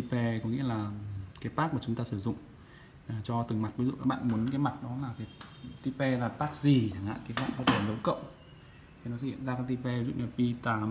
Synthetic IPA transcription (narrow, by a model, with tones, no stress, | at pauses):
i˧pe˧kɔ˨˦ŋḭ˧˥ə˧laː˨˩ka˨˦t̪aː˦˥k̚maː˨˩t͡ɕʊ˨˦ŋ͡mt̪aː˧sɨ˧˩zʊ̰˧˨ŋ͡m | t͡ɕɔ˧t̪ɨ˨˩ŋma˨˩t̚vi˨˦zṵ˧˨aː˨˦ɓ̰ːnmu˨˦ənkaː˨˦jma˨˩t̚ɗɔ˨˦laː˨˩ka˨˦jt̪i˧pe˧laː˨˩t̪aː˦˥k̚zi˨˩t͡ɕaː˧˩ŋha̰ː˧˨ki˨˦ha̰ː˧˨ɓə˦˥t̚ɗʰe˧˩zə˨˦wkə̰˧˨wʔ | t̪ʰi˨˩nɔ˨˦sə̰˧hḭ˧˨ə˨nzaː˧kaː˨˦jt̪i˧pe˧˨zṵ˧˥ɲə˨˩pi˧t̪aː˧˩